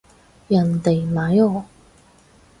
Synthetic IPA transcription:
jɐ˨˩nt̪e˨˩jmaː˨˥jɔː˨˩

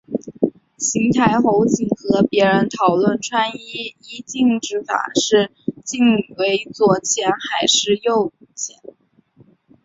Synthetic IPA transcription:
ɕi˧˥ŋt̪ʰa˧˥ɪxo˧˥ʊt͡ɕi˨˩ŋxɤ˧˥pjɛ˧˥ɻə˧˥nt̪ʰɑ˨˩ʊlwə˥˩nʈ͡ʂʰwa˥ni˥i˥t͡ɕi˥˩ŋʈ͡ʂɻ̩˧˥fa̰˨˩ʂɻ̩˥˩ | t͡ɕi˥˩ŋwe˧˥ɪt͡swɔ˧˥˩t͡ɕʰjɛ˧˥nxa˨˩ɪʂɻ̩˥˧jo˥˩ʊ˨˩t͡ɕʰjɛ˧˥n

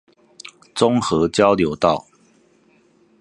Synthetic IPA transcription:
t͡sʊ˦ŋxɤ˨˧˦t͡ɕjɑ˦ʊljo˨˦ʊt̪ɑ˥˨ʊ

